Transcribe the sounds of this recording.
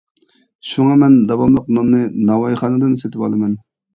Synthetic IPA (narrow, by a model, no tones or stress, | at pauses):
ʃuŋɑmɛnd̪ɑwɑmlˠəqnɑmnɨnɑwɑjχɑːnɨd̪ɨnset̪ʰɪpɑ̰lˠɨmɛn